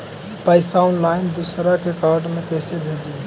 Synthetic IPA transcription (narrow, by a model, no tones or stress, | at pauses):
paɪsaʊnlaɪnd̪usɾakekaɾɖmekəɪsebʱed͡ʒi